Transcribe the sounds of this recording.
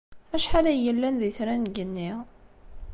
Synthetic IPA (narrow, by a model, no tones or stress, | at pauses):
æʃħaɾæjəlːænðiθɾænɡənːiʁ